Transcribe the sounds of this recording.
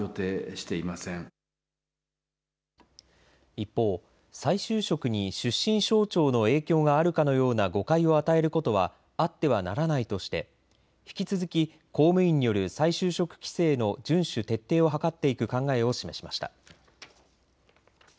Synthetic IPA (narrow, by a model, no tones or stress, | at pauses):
o̞t̪eːɕi̥t̪e̞imasẽŋ | ipːo̞ː | saiɕɨːɕo̞kɯ̟ɲ̟iɕɨɕːĩɰ̃ɕo̞ːt͡ɕo̞ːno̞e̞ːkʲo̞ːɡaːɾɯ̟kano̞jo̞ːnaɡo̞kaio̞at̪ae̞ɾɯ̟ko̞t̪o̞βa̰ | at̪ːe̞β̞anaɾanait̪o̞ɕi̥t̪e̞̰ | çi̥kʲit͡sɨzɨkʲi | ko̞ːmɯ̟ĩɲ̟ːijo̞ɾɯ̟saiɕɨːɕo̞kɯ̟̥kʲi̥se̞ːno̞d͡ʑɨ̃ɰ̃ɕɨt̪e̞t̪ːe̞ːo̞ɦakat̪ːe̞ikɯ̟kãŋɡae̞o̞ɕime̞ɕi̥ma̰ɕi̥t̪a̰